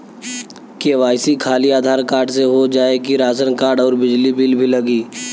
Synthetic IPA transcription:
keʋaːɪsikʰaːliaːd̪ʱaːɾkaːɾɖseɦod͡ʒaːekiɾaːsənkaːɾɖɔːɾbɪd͡ʒlibiːlbʱilɐɡiː

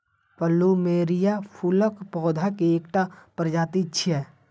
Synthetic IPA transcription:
pəlumeːɾijapʰuləkpɔːd̪ʱakeeːkʈapəɾd͡ʒaːt̪it͡ʃʰɛː

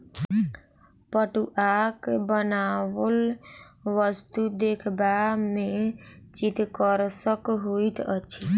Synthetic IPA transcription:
pəʈuʔakebənaʋəl | ʋəst̪ud̪ekʰbamet͡ʃit̪kəɾsəkɦoit̪ə̰t͡ʃʰi

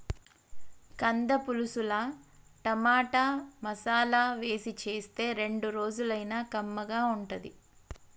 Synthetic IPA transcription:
kɐnd̪ɐpulusulɐ | ʈɐmaːʈamɐsaːlaːʋe̞ːsit͡ʃe̞ːst̪e̞ːɾe̞ɳɖuɾo̞ːd͡ʒulɐjnaːkɐmːɐɡaːuɳʈɐd̪i

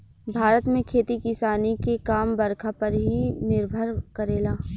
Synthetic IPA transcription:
bʱaːɾət̪mẽkʰeːt̪ikɪsaːnikekaːmbɐɾkʰapɐɾɦinɪɾbʱəɾkɐɾeːlaː

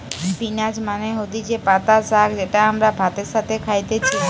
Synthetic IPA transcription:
pinad͡ʑmaneɦod̪id͡ʑepat̪asakd͡ʑeʈaamɾabʱat̪eɾʃat̪ʰekʰajt̪et͡ɕʰi

